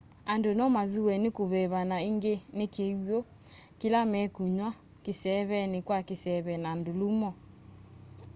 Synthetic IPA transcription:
andonɔmaðuwɛnekoβɛβanaiŋɡenekeo | kelamɛkuɲwa | kesɛβɛnekwakesɛβɛnandolumɔ

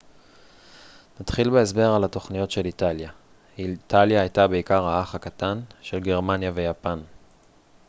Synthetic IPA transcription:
nat̪χilbeesbe̞ʁalat̪o̞χnijo̞tʃe̞lit̪alja | it̪aljaːjtabe̞ikaʁɦaaχhakat̪anʃe̞lɡe̞ʁmanjave̞japan

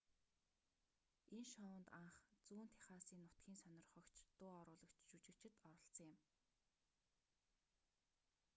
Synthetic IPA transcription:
enʃɔ̆nt̪aɴχt͡suːnt̪ʰe̥χaːsiːnːʊt̪ɡʲiːnsœnʲɪ̆rχœkt͡ɕt̪ʊːɔɾʊːɮɞ̆kt͡ɕʃut͡ɕɪ̆kt͡ɕʰɪ̆t̪ɔɾɞ̆ɬt͡sɞ̆ŋɪ̆m

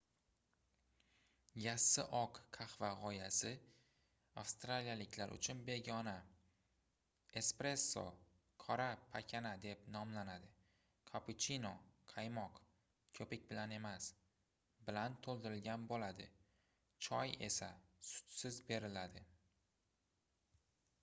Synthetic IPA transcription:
jasːɪʔɒqːʰaχvaʁɒjasɪ | afst̪ɾalijalɪkʲʰlaɾʔʊ̰t͡ʃʰʊnbe̞ɡʲɒna | e̞spɾe̞sːo̰ | kʰɒɾapʰakʲʰanad̪e̞pnɒmlanad̪ɪ | kʰapʊt͡ʃʰinoqʰajmɒq | kʲʰɵpɪkʲbɪlane̞mas | bɪlant̪ʰolˠd̪ɪɾɪlɡʲanbolad̪ɪ̰ | t͡ʃʰɒje̞̰sasʊ̥t͡ʃ̪sɪzbe̞ɾɪlad̪ɪ

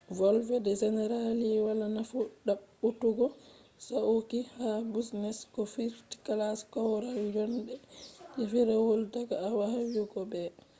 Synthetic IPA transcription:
vɔlvɛdɛd͡ʒɛnɛɾaliwalanafuɗaɓːutuɡɔ | saʔukihabisnɛskɔfiɾti̥kalaskɔwɾaljɔndɛd͡ʒɛfiɾawoltaɡaːwahawuɡɔbɛ

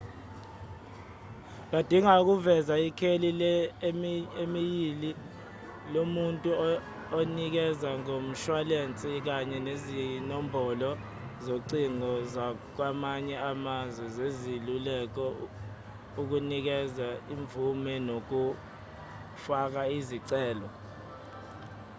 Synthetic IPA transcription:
ɓ̬ad̥ʱiŋak̬uvɛzaikʰelil | emijili | lomuntʼu | onik̬ɛzaŋom̩ʃwalent͡sʼik̬aɲɛnezinɔmbʱɔlɔ | zoǀiŋɔza | k̬wamaɲɛamazwɛzezilulɛk̬ɔ | uk̬unik̬ɛzaiɱbvʱumɛnok̬u | fak̬aiziǀɛːlɔ

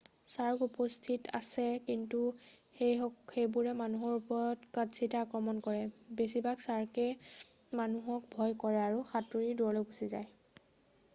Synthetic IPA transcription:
saɹkupɔstʰita̰sɛkintuxejɔxejbuɹɛmanuɦɔɹupɔɹɔtkadsitaakɹɔmɔnkɔɹɛbesibaksaɹkɛ | manuɦɔkbʱɔjkɔɹɛaɹuxatuɹiduɔloɡusiza̰j

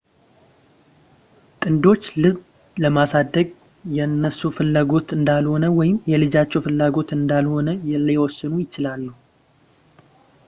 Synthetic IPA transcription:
t̪ʼɨnd̪o̞t͡ʃːlɨβ | ləmasad̪ːəɡ | jɛnːəsːufɨlːaɡo̞t̪ɨnd̪alho̞nəwɔjɪmjɛlɨd͡ʒat͡ʃːɛwfɨlːaɡo̞t̪ɨnd̪alho̞nəjɛljɛwɔsːɨnujɪt͡ʃɪlalːəhu

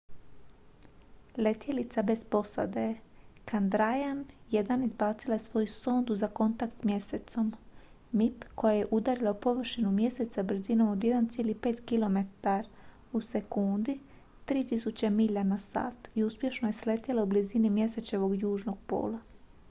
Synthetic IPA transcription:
le̞t̪jelit̪sabe̞spo̞sa̰d̪ekand̪ɾajanjed̪anizbaːt̪silajesʋo̞jusoːnd̪uzako̞nt̪ak̚t̪smje̞set̪so̞m | mipko̞jaje̞ʔud̪aɾilaupo̞ʋr̩ʃinumje̞se̞t̪sabɾ̩zino̞mo̞d̪je̞d̪ant̪sjeːlipe̞ːt̪kilˠo̞me̞t̪aɾ | use̞kund̪i | t̪ɾiːt̪isut͡ɕemiʎanasa̰ːt̪iuspje̞ʃnoje̞sle̞t̪ilaublizinimje̞se̞t͡ɕe̞ʋo̞ɡjuːʒno̞ɡ̥̚po̞̰ːla

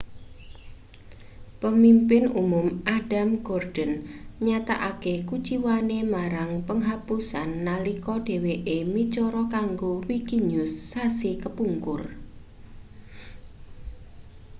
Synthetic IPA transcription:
pəmimpɪnumʊmʔaɖ̥amɡ̥ɔrd̥ənɲat̪aʔakekut͡ʃiwanemaɾaŋpəŋɦapusanːalikɔɖ̥e̤weʔemit͡ʃɔɾɔkaŋɡowikiɲʊsːasikəpuŋkʊr

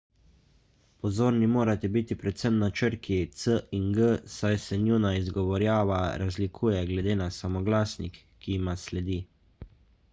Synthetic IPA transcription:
pɔzoːɾnimoːɾat̪ɛbiːt̪ipɾɛt̪səmnat͡ʃəɾkʰit̪səiŋɡəsajsɛnjunaizɡɔʋɔɾjaːʋaɾazlikʰuːjɛɡlɛd̪eːnasamɔɡlaːsnikːimaslɛd̪iː

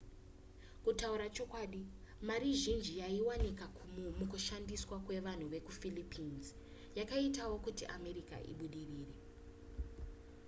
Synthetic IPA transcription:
kutauɾat͡ʃo̞kwaːɗi | maɾiʒind͡ʒijaiwanika | mukuʃandiswakwe̞ʋan̤uʋe̞kufilipinz | jakaitawo̞kutiʔame̞ɾika̰ʔḭɓuɗiriːre̞

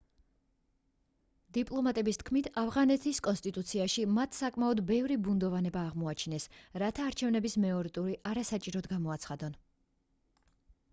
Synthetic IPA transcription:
d̪̥ipʼlˠɔmat̪ʼɛbist̪̚ʰkʰmit̪ʰavʁanɛt̪ʰiskʼɔnst̪ʼit̪ʼut̪sʰiaʃimat̪ʰsakʼmaɔd̪bɛvɾibund̪ɔvanɛbaːʁmɔat͡ʃʰinɛsɾat̪ʰaːɾt͡ʃʰɛvnɛbismɛɔɾit̪ʼuɾiʔaɾasat͡ʃʼiɾɔd̪ɡamɔat̪sʰχad̪ɔn

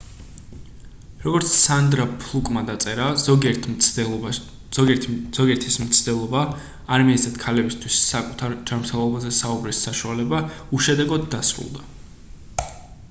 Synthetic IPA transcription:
ɾɔɡɔɾt̪sʰsand̪ɾapʰlˠukʼmad̪at̪sʼɛɾaɛ | z̥ɔɡiɛɾt̪ʰismt̪sʰd̪ɛlˠɔba | aɾmiɛazd̪at̪kʰalɛbist̪ʰwisːakʼut̪ʰaɾd͡ʒanmɾt̪ʰɛlˠɔbazɛsaubɾisːaʃualɛbauʃɛd̪ɛɡɔd̪ːasɾṵlˠd̪a

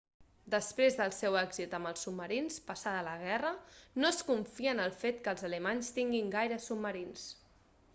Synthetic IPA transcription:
d̪əspɾezðəlˠsɛwɛɡzit̪əmbəlˠsːub̚mːəɾinspəsaðələɣ̞ɛrənoəskuɱfiənəlˠfet̪kəlˠzələmaɲst̪iŋɡiŋɡajɾəsubməɾins

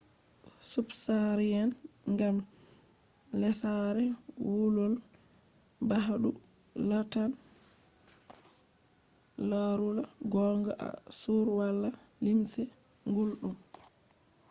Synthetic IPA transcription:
subsaɾijan | ŋɡam | lɛsaɾɛwulɔl | baɦaɗu | latan | laɾulaɡɔŋɡaʔa̰suɾwalːalimsɛ | ŋɡulɗum

